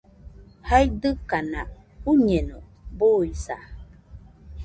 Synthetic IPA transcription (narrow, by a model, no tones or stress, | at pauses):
hajdɨkana | uɲeno | boisa̰